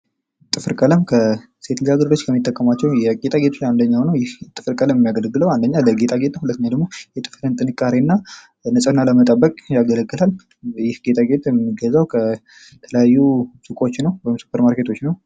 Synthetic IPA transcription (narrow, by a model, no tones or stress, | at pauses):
t̪ʼɨfɨɾkʼələmkʰə | se̞t̪lijaɡəɾd̪ot͡ʃːkʰəmːit̪ʼːəkʼːəmat͡ʃːɛwjɛɡet̪ʼaɡet̪ʰot͡ʃand̪əɲːawnəwjɪht̪ʼɨfɨɾkʼələməmːijaɡələɡːɨləwand̪əɲːaləɡe̞t̪ʼaɡet̪əhulət̪ːɲad̪əɡmo̞jɛt̪ʼɨfɾɨnt̪ʼɨnɨkʼːaɾinːa | nəsʼənːaləmət̪ʼəbːəkʼjaɡələɡːɨlal | jɪhɡe̞t̪ʼaɡe̞t̪ʼɛmːiɡəzawkʰə | t̪ʰələjajːusɨkʼo̞t͡ʃːnəwwɔɪmsu̥pʰəɾmaɾkʰe̞t̪ʰo̞t͡ʃːnəw